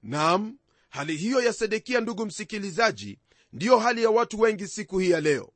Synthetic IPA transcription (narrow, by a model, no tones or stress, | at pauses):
nam̩ | haliɦijɔjasɛɗɛkianduɠum̩sikilizaʄḭ | ndijɔɦalijawatuwɛŋɡisikuhijalɛɔ̰